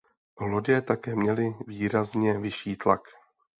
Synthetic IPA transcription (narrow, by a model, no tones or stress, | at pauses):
loɟɛt̪akɛːmɲɛlɪviːɾazɲɛvɪʃiːt̪lak